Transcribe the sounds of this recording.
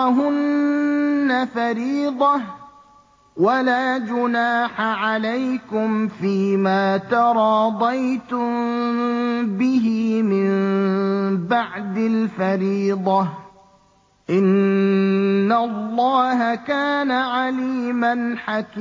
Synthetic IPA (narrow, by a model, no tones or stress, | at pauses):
ɦʊnː | afaɾiːd̪ˤɑh | walaːd͡ʒʊnaːħaʕalajkʊmfiːmaːt̪ɑɾˤɑːd̪ˤɑjt̪ʊm | bɪɦɪmɪm | baʕd̪alfaɾiːd̪ˤɑ | ʔɪn | alːɑːɦakaːnaʕaliːmanħakː